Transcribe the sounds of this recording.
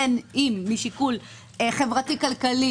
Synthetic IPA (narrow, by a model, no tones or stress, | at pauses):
enimːiʃikul | χe̞vʁatikalkali